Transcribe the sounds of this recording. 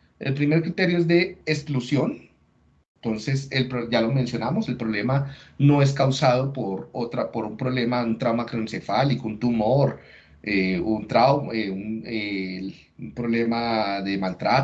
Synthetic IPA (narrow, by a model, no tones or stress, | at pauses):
ḛlpɾime̞ɾkɾit̪e̞ɾjoezd̪e̞ːsklusjo̞n | nt̪o̞nse̞selpɾoʝalo̞mensjo̞namose̞lpɾoβlemano̞e̞skawsað̞o̞poɾot̪ɾapo̞ɾumpɾo̞βle̞maunt̪ɾawmakɾonsefalikount̪umo̞ɾ | eunt̪ɾawmeune | umpɾo̞βle̞maðe̞malt̪ɾa